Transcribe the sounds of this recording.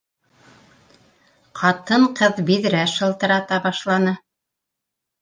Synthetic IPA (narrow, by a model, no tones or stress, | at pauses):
qʰɑt̪ɤɴqɤðbiðɾæʃɤ̆lˠt̪ɤ̆ɾɑt̪ɑbɑʃlˠɑnɤ